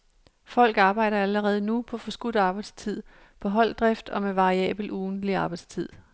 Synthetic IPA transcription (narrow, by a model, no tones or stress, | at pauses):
fɒ̽l̰ɡ̥ɑ̈ːb̥ɑ̈ɪ̰ɾ̥ɐæləʁɛːð̞̩ˠənupʰɒ̽fɒ̽sɡ̥ud̥ɑ̈ːb̥ɑ̈ɪd̥st͡sʰið̞̰ˠ | pʰɒ̽ɦɒ̽l̰d̥ʁɛfd̥ɒ̽meʋɑ̈ʁiɛ̰ːb̥l̩ʔuːn̩d̥liɑ̈ːb̥ɑɪd̥st͡sʰið̰ˠ